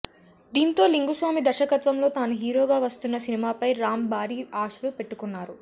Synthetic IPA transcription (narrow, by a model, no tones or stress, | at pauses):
d̪iːnt̪o̞ːliŋɡusʋaːmid̪ɐɾʃɐkɐt̪ʋɐmlo̞ːt̪aːnuɦiːɾo̞ːɡaːʋɐst̪unːɐsinimaːpɐjɾaːmbaːɾiːaːʂulupe̞ʈːukunːaːɾu